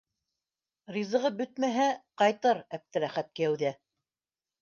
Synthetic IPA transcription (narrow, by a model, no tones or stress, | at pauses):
rizɤ̆ʁɤbɵt̪̚mæɦæqɑjt̪ɤɾæp̚t̪ɘɾæχæt̪̚kɘ̆jæwðæ